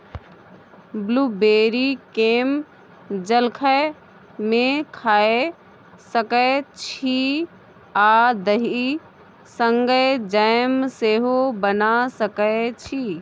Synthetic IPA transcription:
bluːbeːɾikeːm | d͡ʒəlkʰə | mẽkʰaːe | səkət͡ʃʰi | aːd̪əɦi | sə̃ŋɡəd͡ʒəjmseːɦobənasəkət͡ʃʰi

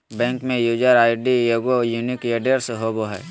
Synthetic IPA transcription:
bɛ̃ːŋkmẽjud͡ʒaɾaːɪɖijoɡojunikeɖəɾseɦoboɦɛː

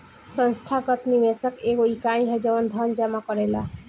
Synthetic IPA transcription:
sə̃nst̪ʰakət̪nimesəkeɡoikaĩɦəd͡ʒawənd̪ʱʌnd͡ʒamakɔɾela

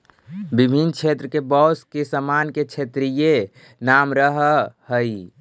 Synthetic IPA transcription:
bibʱint͡ʃʰet̪ɾəkebɔskesəmanket͡ʃʰet̪ɾije | namɾəɦhəi

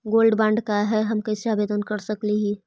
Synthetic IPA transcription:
ɡoːlɖbãːɳɖkaɦɛɦɐmkasaːbeːd̪ənkɐɾsɐkliɦiː

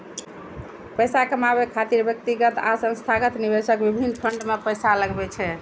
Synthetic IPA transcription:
pəjsakəmabekʰat̪iɾbjək̚t̪iɡət̪asə̃nst̪ʰaɡət̪nibesəkbibʱinːpʰəɳɖmepəjsaləɡbɛt͡ʃʰɛ

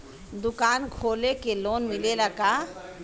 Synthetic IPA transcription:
d̪ʊkaːnkʰoːlekeloːnmɪleləɡa

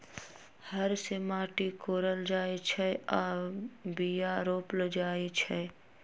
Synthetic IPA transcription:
həɾsemaːʈikoːɾəld͡ʒaːet͡ʃʰɛɔːbijaɾoːpləd͡ʒaːet͡ʃʰɛ

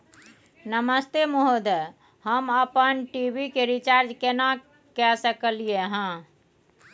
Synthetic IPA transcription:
nəməst̪emoɦod̪ | həməpənʈibikeɾit͡ʃaɾd͡ʒkena | kɛsəkəlijeɦã

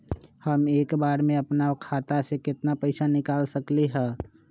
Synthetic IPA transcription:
həmeːkbaːɾmẽɐpnakʰaːt̪asekɪt̪napəɪsanɪkaːlsəkleɦɛ̃ː

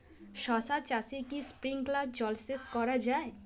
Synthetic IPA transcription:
ʃɔsad̪t͡ʃasikispɾiŋklabd͡ʑɔlseskɔɾad͡ʑae

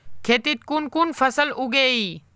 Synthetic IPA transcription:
kʰeːt̪iːt̪̚kuːnkuːnfɐsəlʊɡeːiː

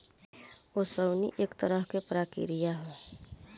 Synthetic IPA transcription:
osəwnḭʔeːkt̪əɾəɦkepɾaːkḭɾijaɦe

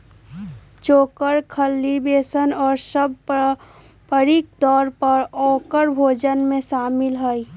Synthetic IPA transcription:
t͡ʃoːkəɾkʰəlːibeːsənɔːɾsəb̚ʱ | pəɾik̚d̪ɔːɾpəɾɔːkəɾbʱoːd͡ʒənmẽsaːmɪlɦəi

